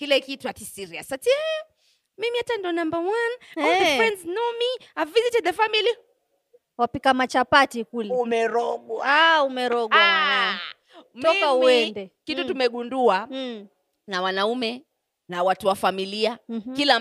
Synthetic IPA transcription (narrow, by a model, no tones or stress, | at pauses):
kilɛkituatisiɾiasatiɛ | mimiatandɔnambamwanaifɾɛnznɔmiavizitɛðɛfamili | wapikamat͡ʃapatikulɛumɛɾɔɡwaaumɛɾɔɡwa | m̩tɔkauɛndɛkitutumɛɠundua | nawanaumɛ | nawatuwafamiliakila